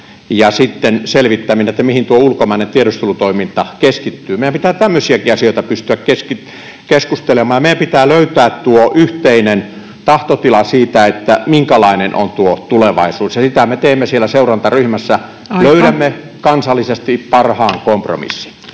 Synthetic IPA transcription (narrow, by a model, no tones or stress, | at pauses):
jɑsit̪ːenselʋit̪ːæminːæet̪ːæmihint̪uoulkomɑinent̪ieɾost̪ulut̪oimint̪ɑkeskit̪ːyːmeijæmpit̪æːt̪æmːøsiækiɑsioˑit̪ɑpyst̪yækkeski | keskust̪elemˑɑːjɑmeijæmpit̪æːløyt̪æːt̪t̪uoʔyht̪einen | t̪ɑht̪ot̪ilɑsiːt̪æet̪ːæmiŋkælɑinenʔo̰nt̪uot̪uleʋɑ̰isuːsjɑsit̪æmet̪eːmːesielːˑæseurɑnt̪ɑryhmæsːæ | løyɾæmːe | kɑnsɑlːisest̪ipɑrhɑːŋkompro̰mḭsːi̥n